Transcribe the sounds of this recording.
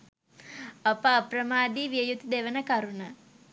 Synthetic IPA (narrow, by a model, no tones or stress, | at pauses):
ɐpaːprəmaːd̪iːʋiəjut̪d̪eʋənəkɐɾuna